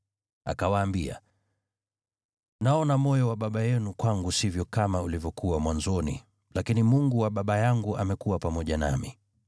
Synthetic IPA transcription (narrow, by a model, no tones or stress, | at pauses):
a̰kawaːmbia̰ | naɔnamɔjɔwaɓaɓajɛnukwaŋɡusivjɔkamaulivjɔkuwamwanzɔnḭ | lakinimuŋɡuwaɓaɓajaŋɡuʔamɛkuwapamɔʄana̰mi